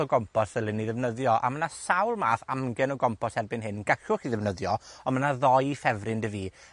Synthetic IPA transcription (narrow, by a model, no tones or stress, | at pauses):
ɔɡɔmpʰɔsəlˠɪniðɛvnəðjɔʔa̰mənasawlˠmaːθamɡɛnɔɡɔmpʰɔshɛrbɪnɦɨnɡ̥aɬʊχiðɛvnəðjɔɔnmənaðɔjfɛvrɪndəviː